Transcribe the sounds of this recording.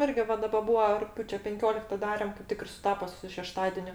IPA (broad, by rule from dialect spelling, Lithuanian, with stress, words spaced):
ˈɪrʲɡʲɪ ˈʋɐ ˈdɑːbɐ ˈbuːɐ rʊkˈpʲjuːt͡ʃʲɛ pʲɛŋʲˈkʲoːlʲɪktɐ ˈdɑːrʲɛm kɐɪp ˈtʲɪk ɪr sʊˈtɑːpoː sʊ ʃʲɛˈʃtɑːdʲɛnʲʊ